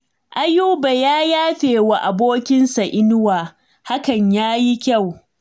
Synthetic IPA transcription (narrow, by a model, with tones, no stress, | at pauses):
ʔa˦juː˦ba˨jaː˦jaː˦ɸeː˨wa˨ʔa˨boː˦kʲɪ˦nsa˨ʔɪ˦nʊ˦waː˨ | ha˦kɐ˨ɲjaː˦ji˦kʲa˦˨w